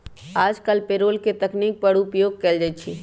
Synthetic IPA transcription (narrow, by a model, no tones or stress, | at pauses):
aːd͡ʒkəlpeɾoːlket̪əkniːk̚pəɽʊpjoːɡ̚kɛld͡ʒat͡ʃʰi